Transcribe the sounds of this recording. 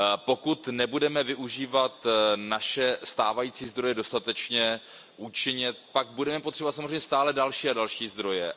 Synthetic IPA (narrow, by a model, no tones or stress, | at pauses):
po̞kut̪nɛbudɛmɛvɪʔuʒiːvat̪naʃɛst̪aːvajiːt͡siːzd̪ɾo̞jɛdo̞st̪at̪ɛt͡ʃɲɛ | ʔut͡ʃɪɲɪt̪paɡ̚budɛmɛpot̪r̝ɛbovat̪samozrejɲɛst̪aːlɛdalʃiːadalʃiːzd̪ɾo̞jɛ